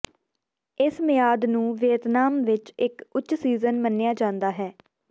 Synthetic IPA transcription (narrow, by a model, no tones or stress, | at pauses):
ɪsmɪjaːd̪nũːʋeːt̪naːmʋɪt͡ʃɪkʊtːʃsiːzənmənːejaːd͡ʒãːnd̪aːɦɛː